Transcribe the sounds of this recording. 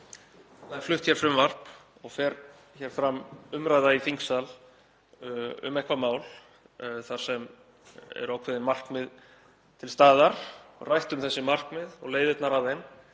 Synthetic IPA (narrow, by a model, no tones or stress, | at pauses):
θaɛɾ̥flʏht̪çɛɾ̥fɾɪmvar̥p | ɔɣfɛɾ | çɛɾ̥fɾamʏmɾajðaifiŋksal | ʏ̰mɛhkvamaːwl | θaɾ̥sɛm | ɛ̰ɾaːwkʰvɛðɪnmar̥kmɪð | t̪ʰɪlst̪aːðaɾ̥ɔɣrajht̪ʏmθɛsːɪmar̥kmɪðɔɣleːjðɪt̪naɾavem